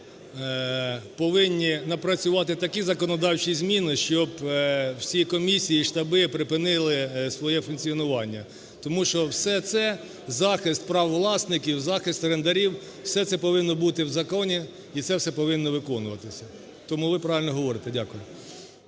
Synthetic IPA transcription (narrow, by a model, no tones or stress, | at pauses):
pɔʋɪnʲːinɐpɾɐt͡sʲʊʋɑt̪ɪt̪ɐkʲizɐkɔnɔd̪ɑwt͡ʃizʲmʲinɪʃt͡ʃɔbwsʲikɔmʲisʲijiʃt̪ɐbɪpɾɪpɪnɪlˠɪsʋɔjɛfʊnkt͡sʲiɔnʊʋɑnʲːɐ | t̪ɔmuʃt͡ʃɔwsɛt̪sɛ | zɑxɪst̪̚pɾɑwʋlˠɑsnɪkʲiwzɑxɪst̪rend̪ɐɾʲiw | wsɛt̪sɛpɔʋɪnːɔbut̪ɪwzɐkɔnʲi | it̪sɛwsɛpɔʋɪnːɔʋɪkɔnʊʋɐt̪ɪsʲɐ | t̪ɔmuʋɪpɾɑɪlʲnɔɦɔʋɔɾɪt̪ɛdʲakʊjʊ